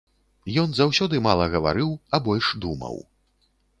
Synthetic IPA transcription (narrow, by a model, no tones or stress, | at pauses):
jɔnzawsʲɔd̪ɨmalˠɐɣɐva̰ɾɨwɐbɔlʲʂd̪umɐ̰w